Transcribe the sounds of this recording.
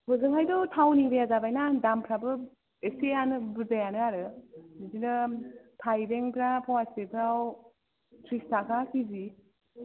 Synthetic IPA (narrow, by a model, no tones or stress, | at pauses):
bɔzɯŋajdɔtʰawniɾejazabajnadampʰɾabɯ | esejanɯbɯɾdajanɯaɾɯnizinɯpʰajɾeŋpʰɾapʰawasepʰɾaw | tʰɾistakʰakizi